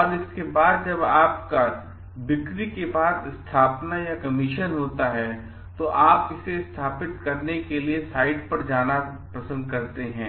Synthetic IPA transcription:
ɔːɾɪskebaːd̪̚d͡ʒɐbaːpka | bɪkɾikebaːd̪ɪst̪ʰaːpnajakɐmɪʃənɦoːt̪aɦɛ | t̪oʔaːpɪsest̪ʰaːpɪt̪kɐɾnekeliesaːɪɖpɐɾd͡ʒaːnapɾɐsə̃nd̪̚kɐɾt̪eɦɛ̃ː

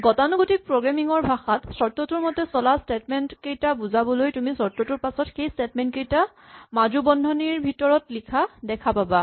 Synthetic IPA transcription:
ɡɔtanuɡotipɹoɡɹamiŋɔɹbʱaxatsɔɹtɔtuɹmɔtɛsɔlastetmɛntkejtabuzabɔlojtumisɔɹtɔtuɹpasɔtxejstetmɛntkejta | mad͡ʒubɔndʱɔniɹbʱitɔɹɔtlikʰadɛkʰapaba

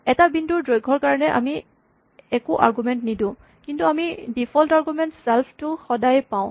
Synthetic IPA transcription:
ɛtabinduɹdɹojɡʱɔɹkaɹɔnɛʔa̰mi | ɛkuʔa̰ɹɡumɛntnidʊ̃ | kintuamidipʰɔltaɹɡumɛntsɛlpʰtʊxɔdajpãʊ̃

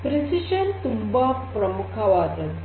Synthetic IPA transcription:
pɾisiɕɐnt̪umbapɾɐmukʰaʋaːt̪ɐn

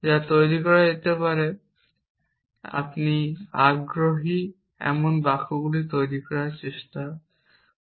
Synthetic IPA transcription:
d͡ʑat̪ojɾikɔɾaet̪epaɾe | a̰pniaɡɾoɦi | ɛ̰monbakʰuɡulit̪ojɾikɔɾaɾt͡ɕeʃta

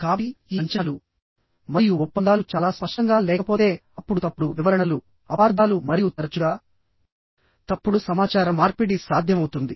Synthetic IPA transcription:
kaːiiːɐɲt͡ʃaːlu | mɐɾijuɔpːɐnd̪aːlut͡ʃaːlaːspɐʂʈɐŋɡaːlɛːkɐpo̞ːt̪e̞ːɐpːuɽut̪ɐpːuɽuʋiʋɐɾɐɳɐlu | ɐpaːɾd̪ʱaːlumɐɾijut̪ɐɾɐt͡ʃuɡaː | t̪ɐpːuɽusɐmaːt͡ʃaːɾɐmːaːɾpiɽisaːd̪ʱjɐmɐwut̪und̪i

